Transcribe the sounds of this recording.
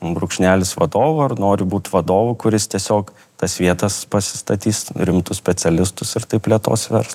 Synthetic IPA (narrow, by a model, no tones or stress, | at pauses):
bɾʊkʃʲnʲæːlʲɪsʋɐd̪oːʋʊɐɾnoːɾʲɪbuːt̪ʋɐd̪oːʋʊkʊɾʲɪst̪ʲiɛsʲoːk | t̪ɐsʋʲiɛt̪ɐspɐsʲɪ̥st̪ɐt̪ʲiːsɾʲɪmt̪ʊssʲpʲɛt͡s̪ʲɛlʲɪst̪ʊsɪɾt̪ɐɪpʲlʲiɛt̪o̰ːsʋʲɛ̰ɾs